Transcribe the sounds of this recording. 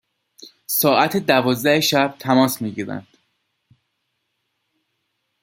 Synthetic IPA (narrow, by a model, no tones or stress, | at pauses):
sɒːʔæt̪ʰed̪ævɒːzd̪æeʃæb̥̚t̪ʰæmɒːsmiːɟiːɾæ̰nd̪̥